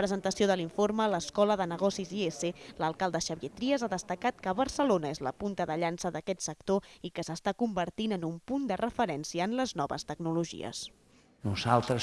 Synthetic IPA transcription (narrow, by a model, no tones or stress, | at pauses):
pɾəzənt̪əsioðəliɱformələskɔləðənəɣ̞ɔsizieseləlˠkalˠd̪əʃəβiet̪ɾiəzaðəst̪əkat̪̚kəβəɾsəlonəezlə̰punt̪əðəʎansəðəkɛt̪sək̚t̪oikəsəst̪akumbəɾt̪inənumpund̪ərəfəɾɛnsiəːnləznɔβə̰st̪əɡnuluʒḭə̰s | nuzalˠt̪ɾə